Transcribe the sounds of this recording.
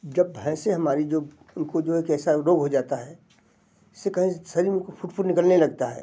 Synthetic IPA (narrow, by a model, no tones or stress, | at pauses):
d͡ʒɐbːʱɛ̃seɦɐmaːɾid͡ʒoː | ʊnkod͡ʒoːeːkɛːsaɾoːɡɦod͡ʒaːt̪aɦɛː | ɪsːekɐɦĩsɐɾikofʰʊʈfʰʊʈnɪkəlnelɐɡ̚t̪aɦɛ̰ː